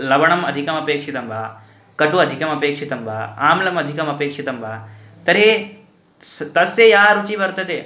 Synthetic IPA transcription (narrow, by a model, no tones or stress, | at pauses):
lɐʋɐɳ̃ɐmɐd̪ʱikɐmɐpeːkʂit̪ɐmbʱaː | kɐɖuɐd̪ʱikɐmɐpeːkʂit̪ɐmbʱa̰ːaːmlɐmɐd̪ʱikɐmɐpeːkʂit̪ɐmbʱaː | t̪ɐɾe | st̪ɐsejaːɾut͡ʃiʋɐɾt̪ɐt̪eː